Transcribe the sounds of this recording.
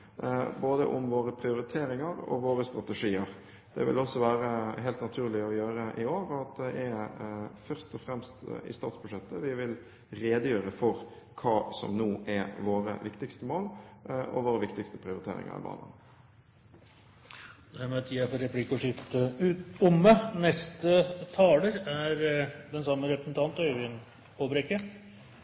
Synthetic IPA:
boːd̪ə̰ʔʊmʋoːɾəpʰɾɪʊɾɪt̪ʰeːɾɪŋɑɾɔ̰ʋoːɾəst̪ɾɑt̪ɛʂiːəɾ | d̪̥ɛ̰ʋɪ̰lɔsːɔʋæːɾəɦɛɪlt̪nɑt̪ʰʉːlɪɔjøːɾəʔɪoːɾɔɑt̪̚d̪ɛʔɛ | fœɾst̪ɔfɾɛmst̪ɪ̰st̪ɑ̰ːt̪sbʉʂɛt̪ːəʋɪʋɪl | ɾeːd̪əjøːɾəfɔɾ | kʰɑːsɔ̰mnuːʔɛʋoːɾə̰ʋɪkt̪ɪkst̪əmoːlʔɔ̰ʋoːɾəʋɪkt̪ɪkst̪əpʰɾɪʊɾɪt̪ʰḛːɾɪ̰ŋə̰ɾɪ̰bɑ̰ːnə̰n | d̪æɾmɛɑt̪jɪæfɔɾɛpʰlikːɔʂʏft̪əʉːt̪ʊmːənɛst̪ət̪ʰɑːləɾæɾd̪ɛnsɑmːəɾɛpɾəsn̩t̪ʰɑnt̪ːʋɪn | pobɾɛkːə

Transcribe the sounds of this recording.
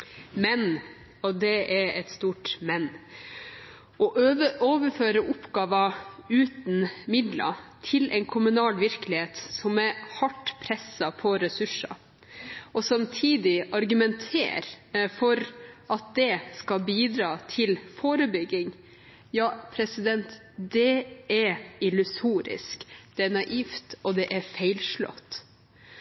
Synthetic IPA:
mɛn | ɔd̪ɛɛɾɛt̪st̪uːʈmɛnː | ʔɔʔoːʋəɾføːɾəʔʊpːɡɑːʋɑʉːt̪n̩mɪd̪lɑ̰t̪ʰɪlʔɛ̰ɪnkʰʊmʉnɑːlʋɪɾkəlɪheːt̪sɔmɛɾhɑʈːpʰɾɛsɑpʰɔɾɛsʉʂɑ̰ | ʔɔsɑmt̪ʰiːd̪ɪʔɑɾɡʉmɛnt̪ʰḛːɾfɔɾʔɑt̪̚d̪ɛskɑlbiːd̪ɾɑːt̪ʰɪlfoːɾəbʏɡːɪŋ | jɑːpʰɾɛsɪd̪ɛnt̪ | d̪ɛæɾɪlʉsuːɾɪ̰skd̪̥ɛænɑʔiːft̪ɔd̪ɛʔæɾfæɪlʂlɔ̰t̪ː

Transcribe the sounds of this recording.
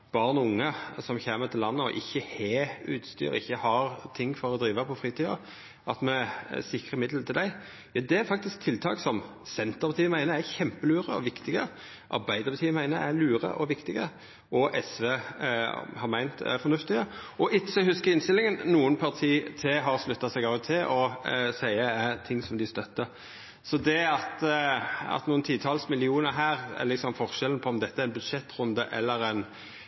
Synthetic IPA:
b̥ɑːʁənʊŋːəsɔmçeːmət̪ʰɪlɑnːəɔ̰ʔɪçːəhɛʉːt̪st̪y̰ːɾɪ̰çːəhɑɾt̪ʰɪŋːfɔɾɔd̪ɾiːʋəpʰɔfɾʁiːt̪ʰiːɑ̰ | ʔɑt̪mɛsɪkɾəmɪd̪lt̪ʰɪld̪æɪ | jɑd̪ɛæɾfɑk̚t̪ɪsk̚t̪ʰɪlt̪ʰɑ̰ːksɔm | sɛnt̪əʁpɑt̪ʰiːəmæɪnəɾæçɛmpəlyːɾəɔ̰ʋɪkt̪ɪɡə | ʔɑ̰ɾbæɪd̪əɾpɑt̪ʰiːmæɪnəɾælyːɾə̰ʔɔʋɪkt̪ɪɡə | ʔɔʔɛsʋeː | hɑɾmæɪnt̪æ̰fɔɾnʉft̪ɪɡəɔʔɪtɕəhʉskəɾɪnst̪ɪlɪŋənnuːənpʰɑʁt̪ʰiːt̪ʰɛɦɑɾslʉt̪ːɑsɛɡɑːʋt̪ʰɪʔɔsæɪəæt̪ʰɪŋsɔmd̪ɪst̪œt̪ːə | sɔd̪ɛɑt̪ | ɑ̰t̪nuːənt̪ʰiːt̪ʰɑːlsmɪlɪuːnəɾɦæːʁɛ̰lɪksɔmfɔʁʃɛlən̩pʰɔɔmd̪ɛt̪ːəæɾɪnbʉd̪ʂɛt̪ːɾʊnd̪əʔɛ̰lːəɾɛn

